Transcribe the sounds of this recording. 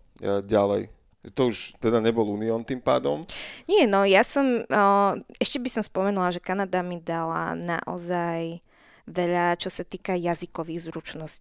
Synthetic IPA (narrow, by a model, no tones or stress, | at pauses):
ɟalɛ̰j | ʒɛt̪ɔuʒt̪ɛd̪aɲɛbɔlˠuːniɔnt̪impa̰ːd̪ɔmɲɪɛnɔjasɔm | ɛʃcɛbisɔmspɔmɛnulaʒɛkanad̪amid̪ala̰na̰ʔɔ̰zaj | ʋɛʎat͡ʃɔsat̪iːkajazikɔʋiɣzɾut͡ʃnɔsci̥